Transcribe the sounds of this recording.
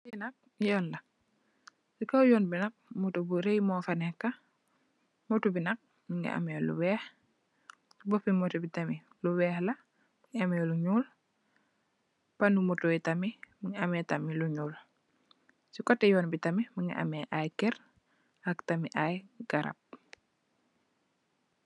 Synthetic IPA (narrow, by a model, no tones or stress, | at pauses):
inɐk̚ | jɔnlɐ | sikɐwjɔːnbinɐk̚mutubuɾejmɔːfɐnɛkːɐ | mutubinɐk̚ | miŋɡa̰ʔa̰mɛlṵwɛːx | sibɔpimɔtubitɐmi | luwɛːxlɐ | miŋɐmɛluɲuːl | pɐnumutuɛtɐmimiŋɐmɛtamiluɲuːl | sikɔtːɛjɔːnbitɐmimiŋɡa̰ʔɐ̰mɛʔajkɛɾ | ɐktɐmiʔajɡaɾɐ̰p̚